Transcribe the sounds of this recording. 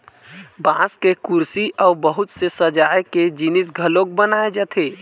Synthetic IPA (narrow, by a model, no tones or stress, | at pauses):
bãskekuɾsiʔɔːbəɦʊt̪sesəd͡ʒaːjked͡ʒinɪs̬ɡʱəlõk̚bənaːed͡ʒat̪ʰeː